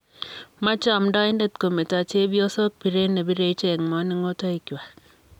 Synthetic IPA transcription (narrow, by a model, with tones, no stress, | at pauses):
ma˦t͡ʃɔ˦˨mdɔ˦i˦nde˦t̚ko˨me˨ta˨t͡ʃe˦bi˦o˦so˦k̚bi˨ɾe˦ne˨bi˦ɾe˦t͡ʃe˦˨kmɔ˨˦nɪ˦ŋo˦tɔ˦i˨kja˨